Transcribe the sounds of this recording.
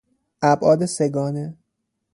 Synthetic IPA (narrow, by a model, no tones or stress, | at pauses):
ʔæbʔɒːd̪eseɡɒːne